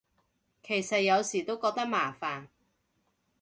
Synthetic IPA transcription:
kʰe˨˩jsɐ˨t̚jɐ˨˧wsiː˨˩t̪o˥wkɔː˧k̚t̪ɐ˥k̚maː˨˩faː˨˩n

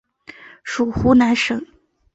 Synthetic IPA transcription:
ʂu˨˩xu˧˥na˧˥nʂɤ˨˩˦ŋ

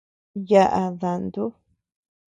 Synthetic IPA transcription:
ja˦˧ʔa˧ða˨nd̪u˦

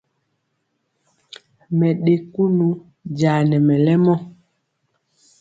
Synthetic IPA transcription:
mɛ˨ɗe˨ku˦nu˨ | d͡ʒaː˨nɛ˨mɛ˨lɛ˦mɔ˦

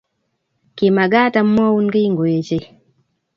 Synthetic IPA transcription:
ki˨ma˨ɡa˦ta˨m̩ː˦wɔ˦u˦ŋ˦ɡi˦ŋɡo˨e˨t͡ʃe˦

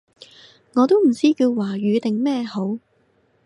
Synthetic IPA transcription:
ŋɔː˨˧t̪o˥wm̩˨˩t͡siː˥kiː˧wwaː˨˩ɥyː˨˧t̪ɪ˨ŋmɛː˥˧ho˨˥w

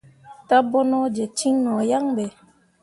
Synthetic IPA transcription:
ta˦bɔ˦nɔ˦d͡ʒɛ˨t͡ʃi˦ŋnɔ˨ja˦ŋbɛ˨

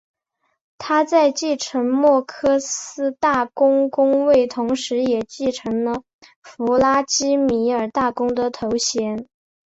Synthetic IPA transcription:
t̪ʰa˥t͡sa˥˧ɪt͡ɕi˥˩ʈ͡ʂʰə˧˥ŋmwɔ˥˩kʰɤ˥sɹ̩˥t̪a˥˩kʊ˥ŋkʊ˥ŋwe˥˩ɪt̪ʰʊ˧˥ŋʂɻ̩˧˥jɛ˨˩t͡ɕi˥˩ʈ͡ʂʰɤ˧˥ŋlə˧ | fu˧˥la˥t͡ɕi˥mi˧˥ə˞˨˩t̪a˥˩kʊ˥ŋd̪ə˨t̪ʰo˧˥ʊɕjɛ˧˥n

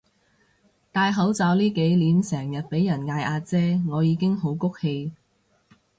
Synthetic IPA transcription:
t̪aː˧jɦɐ˨˥wt͡sɐː˨˥wliː˥ke˨˥jliː˨˥nsɛː˨˩ŋjɐ˨t̚pe˨˥jːɐ˨˩nŋaː˧jʔaː˧t͡sɛː˥ŋɔː˨˧jiː˨˧˥kɪ˥ŋɦo˨˥wkʊ˥k̚he˧j

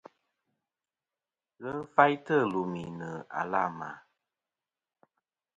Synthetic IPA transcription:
ɣə˦fa˦jtə˦˨lo˨mi˨nə˨a̰˨la˦˨ma̰˨˦

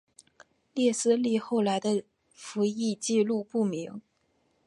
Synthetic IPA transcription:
ljɛ˥˩sɹ̩˥˧li˥˧xo˥˩ʊla˧˥ɪd̪ə˧ | fu˧˥i˥˧t͡ɕi˥˧lu˥˧pu˥˩mi˧˥ŋ

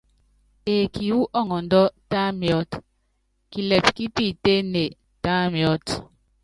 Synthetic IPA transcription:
e˨kʰi˨wu˦ʔɔ˦˨ŋɔ˨n̩˨˦dɔ˦ta˦mjɔ˦t | ki˨lɛ˨p̚ki˦pi˦˨te˦ne˨ | ta˦mjɔ˦t

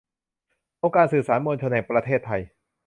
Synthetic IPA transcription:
ʔoː˧ŋkaː˧nsɯː˨˩saː˩˦nmo˧nt͡ɕʰo˧nhɛ˨˩ŋpɾa˧t̪ʰeː˥˩t̪ʰːa˧j

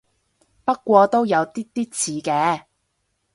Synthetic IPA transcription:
pɐ˥t̚kʷɔː˧t̪o˥wjɐ˨˧wt̪iː˥t̪iː˥t̚t͡sʰiː˨˥kɛː˨˥

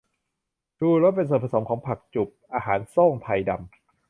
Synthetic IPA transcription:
d̥uː˧ɾɔ˦˥t̪̚pe˧nsoː˨˩pʰa˧so˩˦mkʰɔː˩˦ŋpʰa˨˩k̚t͡ɕu˨˩p̚ʔaː˧haː˩˦nsoː˥˩ŋt̪ʰa˧jda˧m

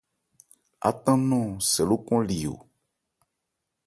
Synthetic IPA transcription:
a̰˨t̪ã˦nɔ̃˦˨sɛ˨lo˦kɔ̃˦li˨o̰˨

